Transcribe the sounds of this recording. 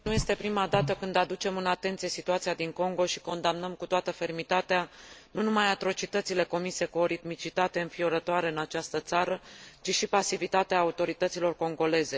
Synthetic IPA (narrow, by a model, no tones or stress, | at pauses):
nuje̞st̪e̞pɾimad̪at̪əkɨnd̪ad̪ut͡ʃe̞mɨnat̪e̞nt̪sije̞sit̪uat̪sijad̪iŋko̞ŋɡo̞ʃi̥ko̞nd̪amnəmkut̪oat̪əfe̞rmit̪at̪eanunumajat̪ɾo̞t͡ʃit̪ət̪sile̞ko̞mise̞kuo̞ɾit̪mit͡ʃit̪at̪e̞ɨnfioɾət̪oaɾe̞ɨnat͡ʃast̪ət̪saɾət͡ʃiʃipasivit̪at̪eaːut̪o̞ɾit̪ət̪silo̞rko̞ŋɡo̞le̞ze̞